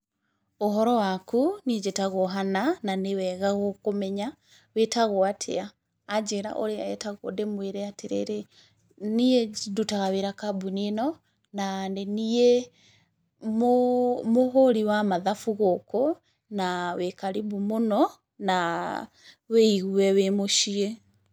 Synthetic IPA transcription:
oɦɔɾɔwakuniɛd͡ʒetaɣoɦanananewɛɣaɣokomɛɲa | wetaɣoatʰḛaː | d͡ʒeɾa̰ʔo̰ɾea̰ɛ̰taɣodemweɾɛateɾḛɾe | niedutaɣaweɾakabunenɔ | nandenie | momoɦoɾiwamaðafuɣoko | nawekaɾibumonɔ | na | weiɣuɛwemoʃie

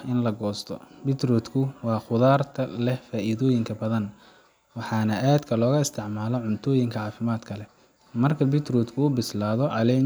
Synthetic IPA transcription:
ɪnlɐɡɔːst̪ʰɔ̰bɪt̪rɔːd̪kʰʊwɑːχʊðaːrt̪ʰɐlɛhfaːʔiðɔːjɪŋkʰɐbɐðɐn | wɑħɑːnɐʔaːd̪kʰɐlɔːɣɐɪst̪ʰɪʕmaːlɔʕʊnt̪ʰɔːjɪŋkʰɐʕɑːfɪmaːd̪kʰɐlɛ | mɐrkʰɐbɪt̪rɔːd̪kʰʊːbɪslaːðɔʕɑlɛ

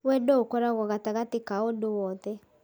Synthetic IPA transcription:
wɛdookɔɾaɣɔɣataɣatɪkaodowɔðɛ

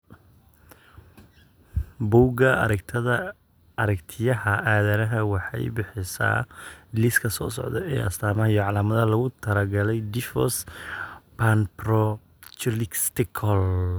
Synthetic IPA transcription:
buːɡɐ | ɐɾɐkt̪ʰɪjɐɦɐʔaːðɐɾɐɦɐwɑħɑ̰jbɪħɪsa̰ːlɪskʰɐsɔ̰ːsɔ̰ʕd̪ɔ̰ʔɛːʔɐ̰st̪ʰaːmɐɦɐjɔʕɑlaːmɐðɐɐlɐɣʊt̪ʰɐɾɐɡɐlɛjd̪ɪfɔ̰s | panprɔ | t͡ʃlɪkst̪ɪkʰɔl

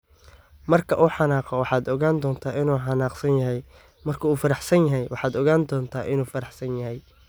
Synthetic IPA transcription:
mɐrkʰɐʔuːħɑnaːqɔwɑħɑːd̪ɔɣaːnd̪ɔːnt̪ʰaːɪnuːħɑnaːqsɐnjɐɦɛj | mɐrkʰɐuːfɐɾɑħsɐnjɐɦɛjwɑħɑːd̪ɔɣaːnd̪ɔːnt̪ʰaːʔɪnuːfɐɾɑħsɐnjɐɦɛj

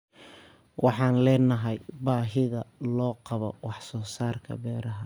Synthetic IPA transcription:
wʔɑħɑːnlɛːnɐɦɛjbaːɦɪðɐlɔːqɑβɔwɑħsɔːsaːrkʰɐ̰bɛːɾɐɦɐ

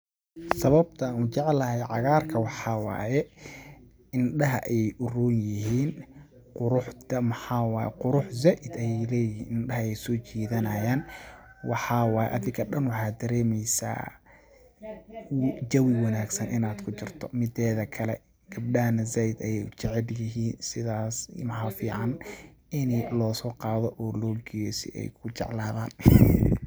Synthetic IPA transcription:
sɐβɐb̚t̪ʰɐːnuːt͡ʃɛʕlɐhɛjʕɑɣaːrkʰɐwɑħɑːwɑ̰ːjɛ | ɪnɖɐɦɐʔɛɛjʔʊruːnjɪɦiːn | qʊɾʊħɐmɐħɑwɑːjɛ̰qʊɾʊħzaːʔɪd̪ɐjɛjlɛːjɪɦḭːnɪnɖɐɦɐɛjsɔːt͡ʃiːðɐnɐjaːnwɑħɑːwɑːjɛ̰ʔɐðɪŋkʰɐɖɐnwɑħɑːd̪ɐɾɛːmɛjsa̰ː | d͡ʒɐwɪwɑnaːɡsɐnʔɪnaːd̪kʰʊt͡ʃɪrt̪ʰɔ̰mɪd̪ɛːðɐkʰɐlɛ̰ | ɡ̥ɐb̚ɗɐɦɐnɐzaːʔɪd̪ɐjɛjt͡ʃɪʕɛljɪɦiːnsɪðaːsmħafiːʕɑn | ɪnlɔːsɔːqɑːðɔʔɔːlɔːɡɛjɛsɪ̰ʔɛ̰jkʰʊt͡ʃɛʕlaːðaːn

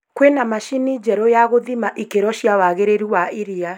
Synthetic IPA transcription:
kwenamaʃinid͡ʒɛɾɔjaɣoðimaʔikeɾɔʃiawaɣeɾeɾuwaiɾia

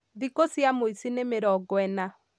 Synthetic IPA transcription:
ðikosjamoisinemeɾɔɡwɛna

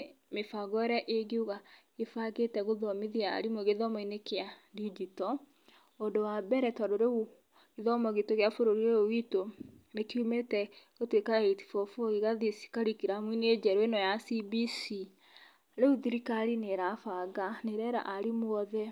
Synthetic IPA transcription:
mefaɡɔɾɛʔeɡeuɣa | efaɣetɛɣoðɔmiðia̰ɾimoɣeðɔmɔinekeadid͡ʒitɔ | ondowabɛɾɛtɔdoɾeɣu | eðɔmɔɣetoɣeafoɾoɾieowitonekiumetɛɣotwekaeiti̥fɔfoɣiɣaðisi̥kaɾikiɾamwined͡ʒɛɾoenɔjasibisi | ɾeuðiɾikaɾineɾafaɡaneɾɛɾa̰ʔaɾimwɔðɛ

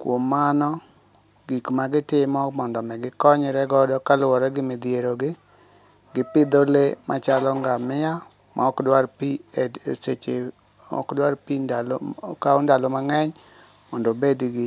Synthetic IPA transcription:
kwomːanɔ | ɡ̥ikmaɡɪtɪmɔmɔndɔmɛɡɪkɔɲɾɛɡɔdɔkalwɔɾɛɡɪmed̪jeɾoɡɪ | ɡɪpɪd̪olemʔat͡ʃalɔŋɡamɪja | maɔkdwaɾpiset͡ʃe | ɔ̰kdwaɾpindalkaundalɔmaŋɛɲ | mɔndɔbedɡɪ

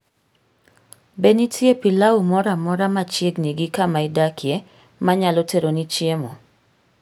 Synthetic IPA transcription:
benitʰjepilaumɔɾamɔɾamat͡ʃjeɡniɡɪkamaɪdakʰije | maɲalɔteɾonit͡ʃjemo

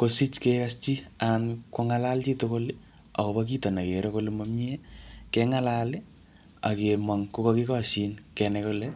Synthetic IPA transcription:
kosit͡ʃkekast͡ʃiankoŋalalt͡ʃitokol | ɔ̰kɔpak̬itɔnakeɾekolemamiekɛŋalale | a̰kemwaŋkukɔkikɔʃinkɛnɛkulɛ

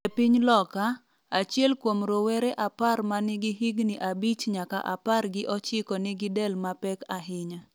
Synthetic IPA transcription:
ɛpiɲlɔka | at͡ʃjɛlkwomɾowɛɾɛʔaparmanɪɡɪɦɪɡnɪʔabit͡ʃɲaka̰ʔa̰parɡɪʔɔt͡ʃɪkɔnɪɡɪdɛlmapɛkaɦɪɲa

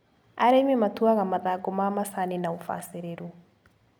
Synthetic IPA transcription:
aɾɛmɛmatuaɣamaðaɡɔmamasanenaufa̰seɾeɾu

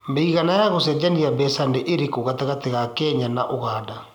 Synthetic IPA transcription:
meiɣanajaɣosɛd͡ʒaniabɛsandeʔeɾekoɣataɣateɣakɛɲanaʔoɣaːda

